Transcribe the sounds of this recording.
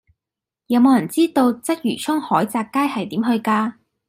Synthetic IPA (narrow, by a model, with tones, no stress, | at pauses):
jɐ˨˧wmo˨˧wjɐ˨˩nt͡siː˥t̪o˧wt͡sɐ˥t̚jyː˨˩t͡ʃʰʊ˥ŋhɔː˨˥jt͡saː˧kːaː˥jhɐ˨jt̪iː˨˥mhɵ˧ɥkaː˧